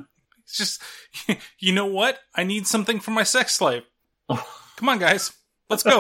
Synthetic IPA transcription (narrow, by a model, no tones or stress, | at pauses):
sd̥ʒ̥ʌst̚ | jɨnoʊwʌt̚aɪnid̥sʌ̃mθɪ̃ŋfə˞maɪsɛkslaɪp̚ | kʰʌ̃mə̃nɡaɪz̥ | lətsɡ̥oʊ